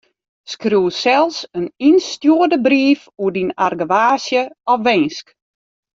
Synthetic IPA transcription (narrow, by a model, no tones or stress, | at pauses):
skruwsɛlˠsəninstjuədəbriːfuədinarɡəʋaːsjəɔfʋɛnsk